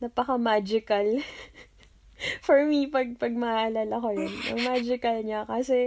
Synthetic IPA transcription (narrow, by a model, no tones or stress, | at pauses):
nɐpɐkɐmaːd͡ʒɪkɐl | fɔɹmipɐɡ̚pɐɡ̚mɐʔɐlalɐkojonʔɐ̰ŋmaːd͡ʒɪkɐlɲakɐsɛ